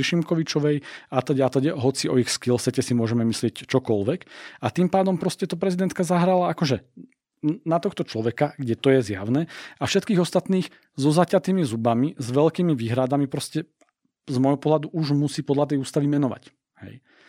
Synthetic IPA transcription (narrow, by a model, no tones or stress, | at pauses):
iʃimkɔʋit͡ʃɔʋɛjat̪ɔɟɛat̪ɔɟɛɦɔt͡siɔixskilsɛcɛsimʊɔʒɛmɛmislɪɛct͡ʃɔkɔlʋɛkat̪impaːd̪ɔmpɾɔscɛt̪ɔpɾɛzid̪ɛnt̪̚kazaɦɾalaakɔʒɛ | nat̪ɔxt̪ɔt͡ʃlɔʋɛkaɡɟɛt̪ɔjɛzja̰ʊnɛafʃɛt̪kiːɣɔst̪at̪niːx | zɔzacat̪iːmizubamizʋɛlkiːmiʋiːɦɾad̪amipɾɔscɛ | zmɔjɦɔpɔɦlad̪uʔuʒmusiːpɔd̪lat̪ɛjuːst̪aʋimɛnɔʋa̰c | hɛ̰j